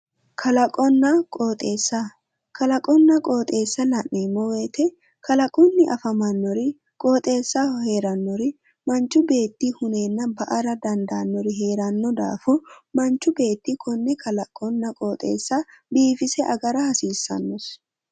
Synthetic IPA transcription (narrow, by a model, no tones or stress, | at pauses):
kʰɐlɐkʼɔnːɐkʼoːt̪ʼe̞ːsːɐ | kɐlɐkʼɔnːɐkʼoːt̪ʼe̞ːsːɐlɐʔemːɔwe̞ːt̪ɛ | kɐlɐkʼɔnːɪʔɐfɐmɐnːɔɾɪ | kʼo̞ːt̪ʼe̞ːsːahe̞ːɾɐnːɔɾɪ | mɐnt͡ʃːʊbe̞ːt̪ːihʊne̞ːnːɐbɐʔɐɾɐd̪ɐnd̪aːnːɔɾɪɦe̞ːɾɐnːɔd̪a̰ːfʊmɐnt͡ʃːʊbe̞ːt̪ːikʰɔnːɛkʰɐlɐkʼːɔnːɐkʼoːt̪ʼe̞̰ːsːɐbiːfɪsɛʔɐɡɐɾɐhɐsiːsːɐ̰nːɔs